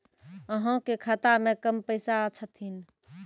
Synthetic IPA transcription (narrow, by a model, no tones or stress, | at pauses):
əɦə̃kekʰət̪amẽkəmpəɪsaət͡ʃʰət̪ɦin